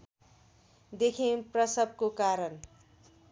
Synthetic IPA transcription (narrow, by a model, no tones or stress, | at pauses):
d̪ekʰẽprʌsʌb̚kokaɾʌn